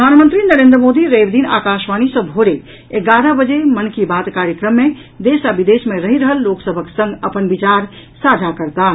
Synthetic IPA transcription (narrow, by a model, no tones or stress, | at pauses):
pəd̪ʱanmənt̪ɾinəɾend̪ɾəmod̪iɾebd̪ina̰kaʃʋanisə̃bʱoɾe | eɡaɾəbəd͡ʒemənkibat̪kaɾjəkɾəmːe | d̪esabid̪esmeɾəɦiɾəɦəlːoksəbʱəksə̃ŋɡəpənbit͡ʃaɾsad͡ʒʱakəɾt̪a